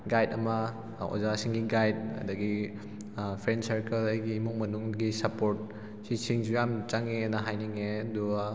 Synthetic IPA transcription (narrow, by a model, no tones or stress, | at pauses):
ɡajdɐmɐ | o̰zasiŋɡiɡajd̚ɐ̰dɐɡi | pʰɾensɐɾkeɾajɡiːmuŋmɐnuŋɡisɐpoɾt̚ | sisiŋd͡ʒujamt͡ʃaŋenɐɦajniŋedua